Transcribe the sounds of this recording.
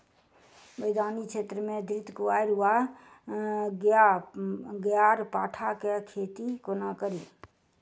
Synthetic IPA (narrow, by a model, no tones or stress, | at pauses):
məɪd̪aːnit͡ʃʰeːt̪ɾəmẽd̪ɾit̪koajɾua | ɡja | ɡjaɾpaːʈʰakekʰet̪ikonakəɾi